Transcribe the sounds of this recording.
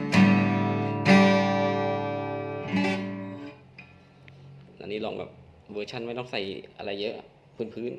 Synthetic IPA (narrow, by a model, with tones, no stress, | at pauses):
la̰ː˧˩˨niː˥˩lɔ̰ː˧˩ŋbɛ̰ː˨˩p̚ | ʋɤː˧t͡ɕʰa˧˥˩nma˥˩jt̪ɔ˥˩ŋsa˨˩jʔa̰˧ɾa˧jːɤ˦˥ʔ | pʰɯː˧˥˩npʰɯː˦˥˨n